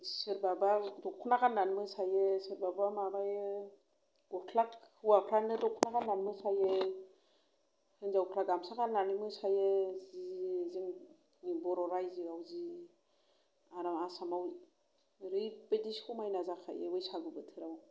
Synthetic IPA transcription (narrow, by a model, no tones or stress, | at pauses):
sɯɾbabadɔkʰunakanːanmɯsajesɯɾbabamabaj | ukʰlakwapʰɾanɯdɔkʰunakanːanmɯsaje | hɯnzaukʰlak̚damsakanːanimɯsajeziziŋ | bɔɾɔɾajziawzi | aɾamasamaw | ɾipediskʰumajnazakʰa̰jḛɯjsaɡɯbɯtʰɯɾaw